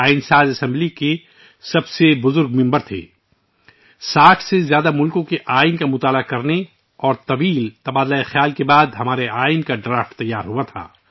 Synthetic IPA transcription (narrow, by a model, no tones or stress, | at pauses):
aːɪnsaːzɐsɛ̃mblike | sɐbsebʊzʊɾɡmɪ̃mbəɾt̪ʰḛː | saːʈʰsezjaːd̪amʊlkõkeʔaːɪnkamʊt̪aːlakɐɾne | ɔːɾt̪ɐʋiːlt̪ɐbaːd̪laːexjaːlkebaːd̪ɦɐmaːɾeaːɪnkaɖɾaːfʈt̪ːɐjːaːɾɦuat̪ʰa̰ː